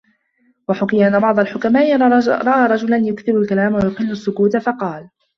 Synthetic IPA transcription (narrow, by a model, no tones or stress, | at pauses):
waħʊkɪjaʔanːabɑʕd̪ˤɑlħʊkamaːʔɪɾˤɑʔaːɾˤɑd͡ʒʊlanjʊkθɪbʊlkalaːmwajʊqɪlːʊsːʊkuːt̪afɑqɑːl